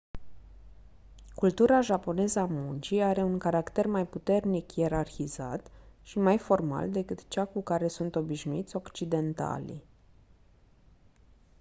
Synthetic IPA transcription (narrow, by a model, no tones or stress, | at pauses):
kult̪uɾaʒapo̞ne̞zəamunt͡ʃiaɾe̞uŋkaɾakt̪e̞rmajput̪e̞rnikie̞ɾarçiza̰t̪ʃimajfo̞rma̰ld̪e̞kɨt̪t͡ʃakukaɾe̞sunt̪o̞biʃnuit̪sʲo̞kt͡ʃid̪e̞nt̪a̰lḭ